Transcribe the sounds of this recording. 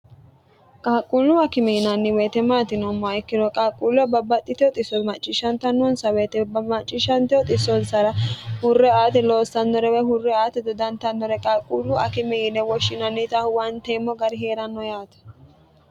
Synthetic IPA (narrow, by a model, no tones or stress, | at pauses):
kʼaːkʼːulːʊɐkɪmɛjɪnɐnːɪweːt̪ɛmaːt̪ɪnɔmːɔɐjkːɪnɔkʼaːkʼulɛbɐbːɐt̪ʼːɪt̪ɪjɔt̪ʼɪsːɔmɐt͡ʃʼːɪʃɐnt̪ɐnːɔnsɐweːt̪ɛbɐmɐt͡ʃʼːɪʃɐnt̪ɪɔt̪ʼɪsːɔnsɐɾɐhʊrːɛaːt̪ɛloːsːɐnːɔɾɛwɛhʊrːɛaːt̪ɛd̪ɔd̪ɐnt̪ɐnːɔɾɛkʼaːkʼːulːʊɐkɪmɛɪnɛwɔʃːɪnɐnːɪt̪ɐhʊwɐnt̪emːɔɡɐɾɪɦe̞ːɾɐnːɔjaːt̪ɐ̥